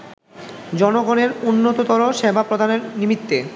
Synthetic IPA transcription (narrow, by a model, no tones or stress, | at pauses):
d͡ʑɔnoɡoneɾunːot̪ot̪ɔɾoʃebʱapɾod̪ʱaneɾnimit̪ːe